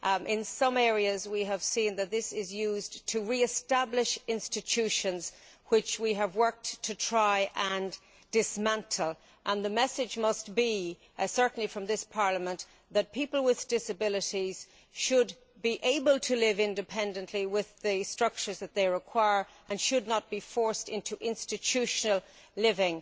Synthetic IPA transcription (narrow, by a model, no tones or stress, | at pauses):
ʔɪ̃nsʌ̃mɛɹiəzwiəv̥sĩnðɨt̪̚ðɪsɪzjʉztʰəɹiɨstæblɪʃɪ̃nstɨtʰʉʃə̃nz̥ | wɪt͡ʃwiəvwɜ˞k̚ttʰɨtʰɹ̥aɪʔə̃n | d̥ɪsmæ̃ntʰəl̩ˠ | ʔə̃nðəmɛsɪd͡ʒmʌstb̥i | sɜ˞ʔn̩lifɹʌ̃mðɪspʰɑɹləmə̃n | ðɨt̚pʰipəlˠwɪðd̥ɪsɨbɪlɪɾiz̥ | ʃəd̚ | biʔeɪbəlˠtʰəlɪvɪ̃ndɨpʰɛ̃ndɨ̃nʔliwɪðɨstɹ̥ʌk̚t͡ʃə˞zðɨt̪̚ðeɪɹɪkʰw̥aɪə˞ | ʔə̃nʃɨdⁿnət̚b̥ifɔɹstɪ̃ntʰuʔɪ̃nstɨtʰʉʃənəl̩ˠ | lɪvɪ̃ŋ